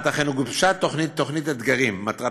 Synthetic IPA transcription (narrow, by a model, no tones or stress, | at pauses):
t̪aχenuɡufʃat̪ːo̞χnitt̪ːo̞χnit̪ad̪ɡaʁimːat̪ʁa